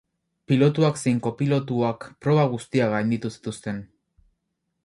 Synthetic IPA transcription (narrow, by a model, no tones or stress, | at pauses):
pilo̞t̪uakse̞jŋko̞pilo̞t̪uakpɾo̞βaɣ̞ust̪iaɣajnd̪it̪usi̥t̪ust̪e̞n